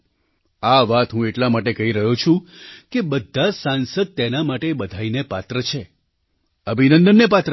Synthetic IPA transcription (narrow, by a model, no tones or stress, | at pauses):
aʋat̪ɦũeʈlamaʈekəɦiɾəɦot͡ʃʰũkebəd̪ʱːasansəd̪̚t̪enamaʈebəd̪ʱainepat̪ɾət͡ʃʰe | əbʱinə̃nd̪ənːepat̪ɾə